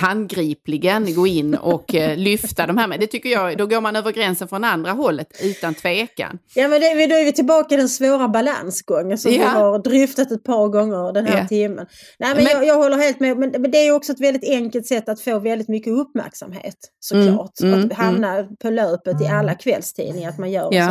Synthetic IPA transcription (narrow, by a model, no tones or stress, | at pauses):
hanɡɾiːplɪɡənɡoːɪnːɔklʏft̪ad̪ɔmhæːɾmɛd̪ɛt̪ʰʏkːəjɑd̪ɔɡoːɾmanøːvəɾɡɾɛnsənfɾɔnand̪ɾaɦɔlːət̪ʉ̟ːt̪ant̪ʰveːka̰njɑːmɛnd̪ɛvɪd̪ɔævɪt̪ʰɪlbɑːkaɪd̪ɛnsvoːɾabala̰nsɡɔŋːənsɔmɪɦɑɾd̪ɾʏft̪at̪ɛt̪̚pʰɑːɾɡɔŋːəɾd̪ɛnhɦæːɾt̪ʰɪmːə̰n | næːɪmɛnjɑjɑːɡɦɔlːəɾɦeːlt̪mɛmɛnmɛnd̪ɛæɾjɔksɔɛt̪vɛld̪ɪt̪ɛŋkəlt̪sɛt̪ːat̪foːvɛld̪ɪt̪mʏkːəɵpmæ̰ɾksa̰mɦḛːt̪sɔkʰlɑ̰ːʈahamnapʰɔløːpət̪ɪalːakʰvɛ̰lst̪ʰḭːd̪nɪŋaɾat̪manjœːɾɛ